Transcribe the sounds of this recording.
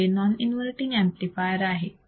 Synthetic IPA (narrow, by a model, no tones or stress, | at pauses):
enɔninʋɐlʈiŋɡemplifajəɾaːɦe